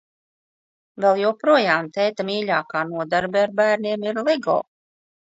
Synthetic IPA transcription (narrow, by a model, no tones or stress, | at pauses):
vɛlˠjuwpɾuɔjaːmt̪ɛjt̪amiːʎʲaːkaːnuɔd̪aɾbɛɾbæːɾniɛmiɾlˠɛɡɔ̰ː